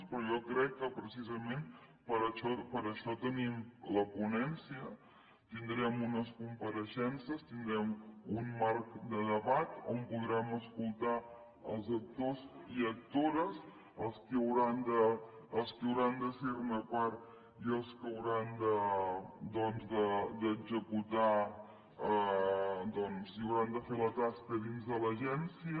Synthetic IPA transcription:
spɾɔjɔkɾɛkːəpɾəsizəmẽn | pəɾəʃɔpəɾəʃɔt̪ənimləpunɛnsiə | t̪ind̪ɾɛmunəskumpəɾəʃɛnsəst̪ind̪ɾɛmunmaɾkd̪əðəβat̪o̰mpuðɾɛməskulˠt̪a | əlˠzək̚t̪oziək̚t̪oɾəs | əlˠskəəwɾand̪əː | lˠskəwɾand̪əseɾunəpaɾt̪ | iəlˠskəwɾand̪ə | d̪ɔnzd̪əd̪əɡzəkut̪a | ə | d̪ɔnsiəwɾand̪əfelət̪askəðinzðələʒɛnsiə

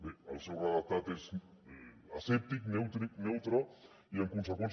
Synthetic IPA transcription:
bealsewraðat̪at̪es | asep̚t̪iknewt̪ɾik̚newt̪ɾo | iaŋkuns̬akons

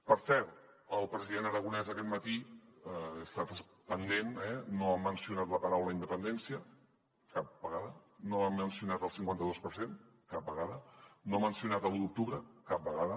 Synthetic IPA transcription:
pəɾsɛɾt̪ | əlˠpɾəziðenəɾəɣ̞unɛzəkɛt̪mət̪iəːst̪at̪əs | pənd̪enɛnoəmːənsiunat̪ləpəɾawləind̪əpənd̪ɛnsiə | kap̚bəɣaðənoəmːənsiunat̪əlˠsiŋkwant̪əðospəɾsen | kap̚bəɣaðənoəmːənsiunat̪əlut̪uk̚t̪uβɾəkap̚bəɣaðə

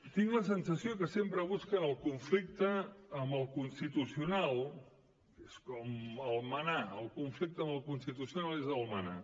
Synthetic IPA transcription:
t̪iŋɡləsənsəsiokəsempɾəβ̞uskəːlˠkuɱflik̚t̪əːmbəlˠkunst̪it̪usiunalˠ | eskɔməlˠmənaəlˠkuɱflik̚t̪əmbəlˠkunst̪it̪usiunalˠezəlˠməna̰

